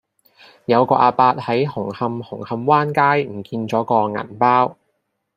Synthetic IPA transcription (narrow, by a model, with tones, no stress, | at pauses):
jɐ˨˧wkɔː˧ʔaː˧paː˧t̚hɐ˨˥jhʊ˨˩ŋhɐ˧mhʊ˨˩ŋhɐ˧mwaː˥nkaː˥jm̩˨˩kiː˧nt͡sɔː˨˥kɔː˧ŋɐ̰˨˩npaː˥w